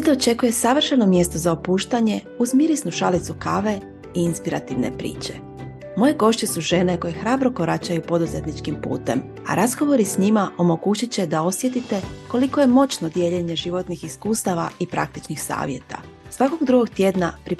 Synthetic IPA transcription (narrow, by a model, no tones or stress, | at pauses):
sit̪oot͡ʃe̞kuje̞saʋr̩ʃano̞mje̞st̪o̞zaopuːʃt̪aɲe̞ | uzmiɾisnuʃalit̪sukaʋe̞ | iinspiɾa̰t̪iʋne̞̰pɾḭːt͡ɕe̞ | mo̞je̞ɡo̞ʃt͡ɕe̞suʒe̞ne̞ko̞jexɾaːbɾo̞ko̞ɾat͡ɕajupo̞d̪uze̞t̪nit͡ʃkimpṵːt̪e̞m | a̰ɾazɡo̞ʋo̞ɾisɲimaʔo̞mo̞ɡuːt͡ɕit͡ɕe̞d̪ao̞sjet̪it̪e̞ko̞liko̞je̞mo̞t͡ɕno̞d̪je̞ʎe̞ɲe̞ʒiʋo̞t̪nixiskuːst̪aʋa̰ipɾa̰k̚t̪it͡ʃnixsa̰ːʋje̞̰t̪a̰ | sʋako̞ɡd̪ɾuɡo̞ɡt̪je̞ːd̪napɾi